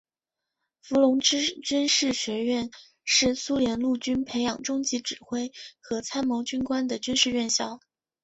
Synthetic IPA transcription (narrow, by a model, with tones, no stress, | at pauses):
fu˧˥lʊ˧˥ŋʈ͡ʂɻ̩˥t͡ɕy˥nʂɻ̩˥˩ɕɥɛ˧˥ɥɛ˥˧n | ʂɻ̩˥˩su˥ljɛ˧˥nlu˥˩t͡ɕy˥npʰe˧˥ɪjɑ˨˩ŋʈ͡ʂʊ˥ŋt͡ɕi˧˥ʈ͡ʂɻ̩˨˩xwe˥ɪxɤ˧˥t͡sʰa˥nmo˧˥ʊt͡ɕy˥nkwa˥nd̪ə˨t͡ɕy˥nʂɻ̩˥˧ɥɛ˥˧nɕjɑ˥˩ʊ